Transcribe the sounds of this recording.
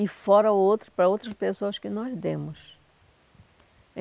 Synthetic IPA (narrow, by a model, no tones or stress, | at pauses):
ifɔɾɐowt̪ɾɐpɾɐowt̪ɾɐspesoɐskɪnɔzd̪ẽmʊs | ẽ